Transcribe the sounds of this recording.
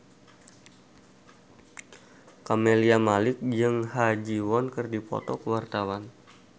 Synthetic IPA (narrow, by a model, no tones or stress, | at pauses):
kameliamalɪk̚d͡ʒɨŋɦad͡ʒiwɔnkɨrdipɔ̰t̪ɔkəwart̪awan